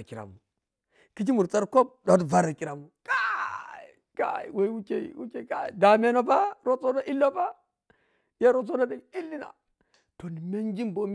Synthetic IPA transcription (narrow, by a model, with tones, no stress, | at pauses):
ki˨ɾa̰˨mu˨ | ki˦t͡ʃ̬i˦mu˨ɾt͡sa˦ɾko˦p̚do˨˦tva˦ɾa˨ki˨ɾa˨mu˨ka˦˨ | ka̰˦˨i˨we˨˦wu˦kḛ˨wṵ˦ke˨ka˨˦˨da˨me˦no˦ba˦ɾo˦t͡so˦na˦ʔi˦lːo˦ba˦ | ja˦ɾo˦t͡so˦na˦de˨i˦lːi˦na̰˨ | to˨ni˨me˦nd͡ʒi˦mbo˦m˦